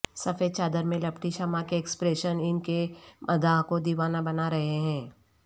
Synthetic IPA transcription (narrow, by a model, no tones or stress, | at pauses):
sɐfeːt͡ʃaːd̪əɾmẽlɐpʈiʃɐmakeːkspɾeːʃənɪnkemʔɐd̪aɦkod̪iːʋaːnabɐnaɾɐɦeɦɛ̃ː